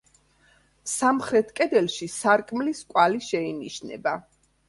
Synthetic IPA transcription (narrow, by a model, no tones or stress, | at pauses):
samχɾɛt̪ʰkʼɛd̪ɛlˠʃisaɾkʼmliskʼwaliʃɛiniʃnɛ̰ba